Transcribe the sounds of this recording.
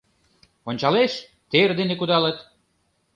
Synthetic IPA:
onʲt͡ɕɑleʃ | t̪erd̪enekud̪ɑlət̪

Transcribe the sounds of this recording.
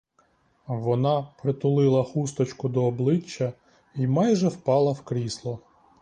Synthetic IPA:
ʋɔnɑpɾɪt̪ʊlˠɪlˠɐxust̪ɔt͡ʃkʊd̪ɔːblˠɪt͡ʃːɐ | imɑjʒɛwpɑlˠɐwkɾʲislˠɔ

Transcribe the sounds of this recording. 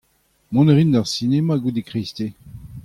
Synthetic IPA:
mɔ̃neʁind̪aʁsinemaɡud̪ekʁist̪e

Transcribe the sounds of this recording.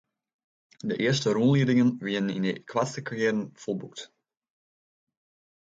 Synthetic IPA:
dəʔɪərstəɾunliədɪŋənʋɪəənḭnəkʰwastəkʰarjɛːɾənfolˠbukt

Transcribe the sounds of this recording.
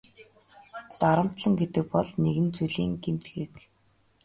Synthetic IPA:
t̪aɾə̆m̥t̪ɮə̆ŋɡet̪ɘ̆k̚pɔɮneɣɘ̆nt͡suɮiːŋɡem̥t̪̚ɡeɾɘ̆k

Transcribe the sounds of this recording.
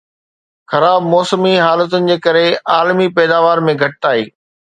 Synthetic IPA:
xɐɾaːbmɔːsəmiɦaːlət̪̬ʊnɪ̆d͡ʑeːkɐɾeaːlmipɛːd̪aːʋaːɾmẽɡʱɐʈ̚aːɦiː

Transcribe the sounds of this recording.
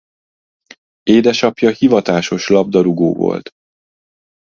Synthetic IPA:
eːd̪ɛʃɒpjɒhivɒt̪aːʃo̞ʃlɒb̚d̪ɒɾuɡo̰ːvo̰lt̪

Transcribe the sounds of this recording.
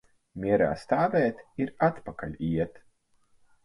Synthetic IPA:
mʲiɛɾa̰ːst̪aːvɛːt̪iɾat̪pakalʲiɛt̪

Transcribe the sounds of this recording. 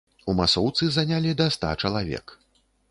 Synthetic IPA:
umasɔwt̪sɨzanʲalʲid̪ɐst̪a̰t͡ʂɐlˠavʲɛ̰k

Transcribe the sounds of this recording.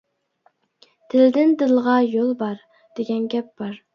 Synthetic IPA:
t̪ʰɪld̪ɪnd̪ɪlˠʁɑjolˠbɑɾ | d̪̥eɡʲanɡʲap̚b̥ɒɾ

